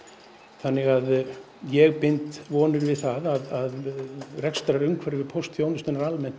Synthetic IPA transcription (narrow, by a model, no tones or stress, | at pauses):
θanːɪɣað | jɛɣpɪnt̪vɔːnɪɾvɪðθaðaðaðrɛkst̪aɾaɾʏmkʰvɛɾɪvɪpʰowst̪fjownʏst̪ʏnaɾalmɛnt̪